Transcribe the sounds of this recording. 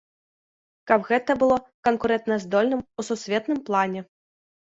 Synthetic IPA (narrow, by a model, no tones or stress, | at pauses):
kɐbɣɛt̪ɐbɨlˠɔkɐnkuɾɛnt̪nɐzd̪ɔlʲnɨmususʲvʲɛt̪nɨmplˠanʲɛ